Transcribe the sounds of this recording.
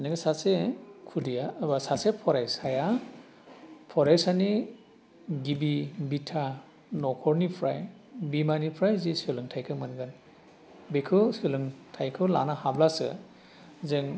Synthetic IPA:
niɡasasekʰudijabasasepʰɔɾajsaja | pʰɔɾajsani | ɡibibitʰa | nɔkʰɔɾnipʰɾaj | bimanipʰɾajzisɯlɯŋtʰajkʰɯmɯnɡɯn | bekʰɯwsɯlɯŋtʰajkʰɯwla̰nahablasɯ̰ | zɯŋ

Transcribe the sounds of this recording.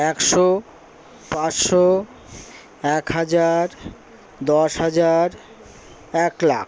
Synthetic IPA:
ɛkʃo | pãsʃo | ɛkhad͡ʑaɾ | d̪ɔʃɦad͡ʑaɾ | ɛklak

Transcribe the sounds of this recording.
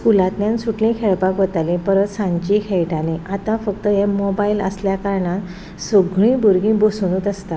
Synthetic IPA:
skulat̪ljãnsuʈlĩkʰeɭpakʋət̪alĩpəɾət̪sãɲt͡ɕikʰeɭʈaniʔat̪ãfək̚t̪əɦemɔbailə̰sljakaɾɳãn | soɡɭĩːbuɾɡĩbosunuːt̪əst̪a

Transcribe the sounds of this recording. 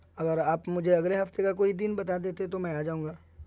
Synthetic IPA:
ɐɡəɾaːpmʊd͡ʒʱeɐɡleɦɐft̪ekakoːid̪ɪnbɐt̪ad̪eːt̪et̪omɛ̃aːd͡ʒaːũŋɡaː

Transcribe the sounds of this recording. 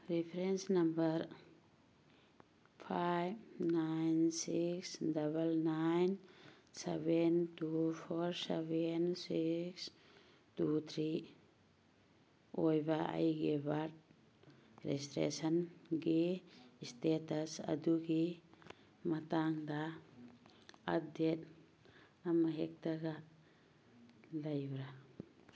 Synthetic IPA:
ɾipʰɾensnambəɾ | pʰajbnajnsiksdabəlnajn | sebentupʰɔɾsebensiks | tut̪ʰɾi | ojbaʔa̰jɡebat̚ | ɾɛstɾḛsanɡistetasa̰duɡi | mataŋda | a̰det̚ | amaɦek̚taɡa | lajbɾa

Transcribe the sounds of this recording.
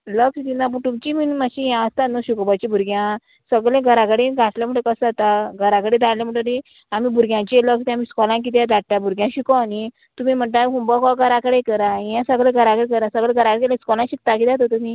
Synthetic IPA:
ləkst̪inap̬uʈumt͡ɕiminmaɕijãəst̪anəɕukɔbat͡ɕibʱuɾɡjã | səɡɭẽɡʱəɾakəɽẽɡʱaʈljam̤əɳʈ̪əkəsat̪aɡʱəɾakəɽẽd̪aɽlaməɳʈoi | amiːbʱuɾɡʲjãt͡ɕeləkst̪amiskɔlãŋk̬it̪̬jãd̪aɽʈːabʱuɾɡʲjãɕikɔni | t̪umiːm̤əɳʈ̪aikumbɔkɔɡʱəɾakəɽekəɾãjãsəɡɭẽɡʱəɾakəɽekəɾãsəɡɭlẽɡʱəɾakəɽekelẽskɔlãɕik̚t̪akid̪at̪̬ot̪umiː

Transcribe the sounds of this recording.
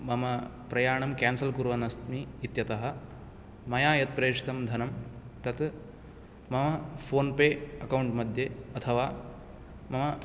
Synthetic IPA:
mɐmɐ | pɾɐjaːɳɐmkaːnsɐlkuɾʋɐnɐst̪miːt̪jɐt̪ɐɦɐ̆ | mɐjaːjɐt̪̚pɾeːʂi̥t̪ɐmd̪ʱɐnɐmt̪ɐt̪ | mɐmɐpʰoːnpeːɐkɐwɳʈmɐd̪ʱjeɐt̪ʰɐʋaː | mɐmɐ

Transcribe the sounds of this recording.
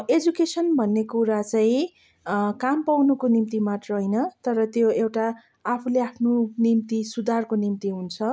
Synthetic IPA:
ed͡zukesʌnbʱʌnːekuɾat͡saĩ | kampawnukonimt̪imat̪rʌɦʌjnʌt̪ʌɾʌt̪joewʈaː | pʰuleapʰnonimt̪isud̪ʱarkonimt̪iɦunt͡sʰʌ

